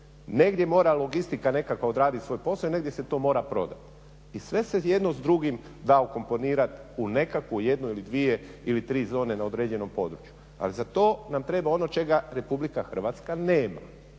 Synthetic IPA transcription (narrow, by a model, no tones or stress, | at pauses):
ne̞ɡd̪je̞mo̞ːɾalˠo̞ɡist̪ikane̞kakood̪ɾaːd̪it̪sʋo̞ːjpo̞slaoineɡd̪jeset̪o̞ːmo̞ːɾapɾo̞̰d̪at̪ | isʋe̞se̞je̞d̪nozd̪ɾuɡim | d̪aoko̞mpo̞niːɾat̪une̞kakʋuje̞d̪noilid̪ʋie̞ilit̪ɾiːzo̞ːne̞nao̞d̪ɾed͡ʑe̞no̞mpo̞d̪ɾut͡ʃju̥ | a̰lizat̪o̞ːnamt̪ɾe̞ːbao̞not͡ʃe̞ɡaɾe̞publikaxr̩ʋat̪skane̞ːma̰